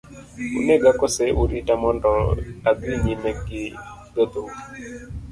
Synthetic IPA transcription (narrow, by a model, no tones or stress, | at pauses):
ṵneɡakɔsɛʔuɾitamɔndɔaɡwiɲimɛɡɪɡɔd̪o